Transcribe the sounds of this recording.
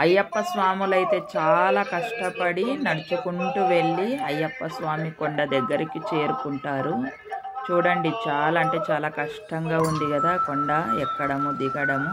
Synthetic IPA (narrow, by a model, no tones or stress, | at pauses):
ɐjːɐpːɐsʋaːmulɐjit̪e̞ːt͡ʃaːlaːkɐʂʈɐpɐɽinɐɽɐt͡ʃɐkuɳʈuʋe̞ɭːiɐjːɐpːɐsʋaːmikoɳɖɐd̪ɐɡːɐɾikit͡ʃe̞ːɾukuɳʈaːɾu | t͡ʃuːɽɐɳɖit͡ʃaːlaɐɳʈe̞ːt͡ʃaːlaːkɐʂʈɐŋɡaːund̪iɡɐd̪aːkoɳɖɐɛkːɐɽɐmud̪iɡɐɽɐmu